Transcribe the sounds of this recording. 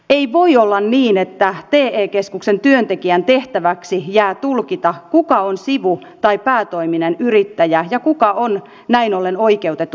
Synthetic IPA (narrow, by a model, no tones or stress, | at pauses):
eiʋoiolːɑnniːnet̪ːæt̪eːeːkeskuksent̪yønt̪ekiænt̪eht̪æʋæksijæːt̪ulkit̪ɑkukɑonsiʋu | t̪ɑipæːt̪oiminenyrit̪ːæjæjɑkukɑon | næinolːenoikeut̪et̪ːˑu